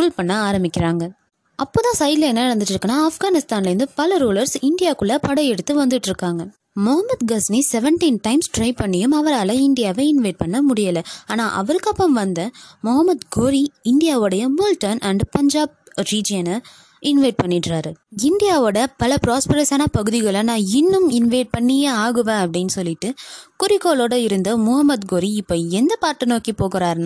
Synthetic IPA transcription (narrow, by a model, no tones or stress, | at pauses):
kʊlpɐɳːɐaːɾɐmbɪkʲːɪɾaːŋɡɐ | ʔɐpːoːt̪ãːsɐɪlɐɛnːɐɪɽɐnd̪ɯʈːɾɯkːɐnːaːɐfɡaːnɪst̪aːnlɐɾɯnd̪ɯpɐlɐɾuːlɐɾsɪɳɖɪjaːkɯɭːɐpɐɽɐjɛɽɯt̪ːɯʋɐnd̪ɯʈːɪɾɯkːaːŋɡɐ | mɔɦɐmːɐd̪ɡɐsnisɛʋɛɳʈinʈɐɪmsʈɾɐɪpɐɳːɪjɯmɐʋɐɾaːlɐ̃ɪɳɖɪjaːʋɐɪnʋɐɪʈ̚pɐɳːɐmʊɽɪjɐlɐaːnaːʔɐ̰ʋɐɾɯkːɐpːɐmʋɐnd̪ɐmɔɦɐmːɐd̪ɡoːɾiɪɳɖɪjaːʋoːɽɐjɐmʊlʈɐnɐɳɖpɐɲd͡ʒaːb̚ | ɾiːd͡ʒɪjɐnɐ | ɪnʋɐɪʈ̚pɐɳːɪʈraːɾɯɪnɖɪjaːʋoːɽɐpɐlɐpɾaːspɐɾɐsaːnɐpɐɣɯðɪɣɐɭɐnãːɪnːɯmɪnʋɐɪʈ̚pɐɳːɪjeaːɣɯʋẽːɐpːɐɽɪnːɯsɔlːɪʈːɯkʊɾɪkːoːloːɽɐɪɾɯnd̪ɐmʊɦɐmːɐd̪ɡoːɾiɪpːoːɛnd̪ɐpaːʈːɯnoːkipoːɣɪɾaːɾna